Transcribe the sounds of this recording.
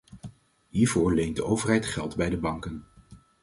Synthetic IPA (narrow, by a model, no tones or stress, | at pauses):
ɦiːɹvʊːɹlejntdəʔowvəɹɦɛjtχɛlˠtbɛjdəbɑŋkən